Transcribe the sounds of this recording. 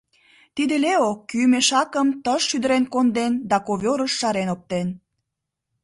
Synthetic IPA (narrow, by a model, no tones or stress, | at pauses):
t̪id̪eleokːymeʃɑkəmt̪əʃːyd̪əɾenkond̪end̪ɑkoβʲoɾəʃːɑɾenop̚t̪en